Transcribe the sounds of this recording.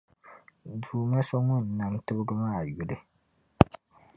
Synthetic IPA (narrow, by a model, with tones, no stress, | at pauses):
duː˨ma˦sɔ˦ŋʊ˦nː˨a˨ŋ˦tɨ˦bɨ˦ɡɨ˦maː˦˨jʊ˨lɨ˦